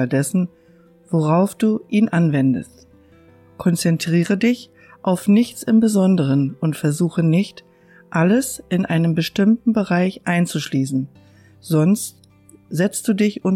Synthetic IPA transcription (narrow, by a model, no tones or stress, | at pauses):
ldɛsn̩ | v̥oʁaʊfd̥uːʔiːnʔanvɛndə̰st | kʰɔnt͡sɛntʁ̥iːʁ̞ədɪç | ʔaʊfnɪçt͡sɪmbəzɔndəʁ̞ənʊntfɛɐzuːxənɪçt | ʔaləsʔɪnʔa̰ɪnənbəʃtɪmtn̩bəʁaɪçʔaɪnt͡suʃliːsn̩ | z̥ɔnst | z̥ɛt͡std̥uːdɪçʊn